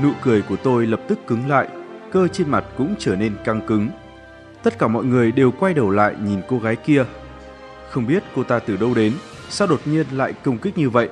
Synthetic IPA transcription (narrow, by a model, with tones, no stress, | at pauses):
nṵ˧˨kɨ˧˩əjku˧˩ət̪o˧jlə˨˩p̚t̪ɨ˦˥kːɨ˨˦ŋla̰ː˧˨jkəː˧t͡ɕe˧nma˨˩t̚kʊ̰˧˥ŋ͡mt͡ɕəː˧˩ne˧nka˧ŋkɨ˨˦ŋ | t̪ə˦˥t̚kaː˧˩mɔ̰˧˨jŋɨ˨˩əjɗe˨˩wkwa˧jɗə˨˩wla̰ː˧˨jɲi˨˩nko˧ɣaː˨˦jki˧ə | xə˧wŋ͡mɓi˦˥ət̚ko˧t̪aː˧t̪ɨ˨˩ɗə˧wɗe˨˦n | saː˧wɗo˨˩t̚ɲi˧ənla̰ː˧˨jkə˧wŋ͡mkï˦˥k̟̚ɲɨ˧və̰˧˨jʔ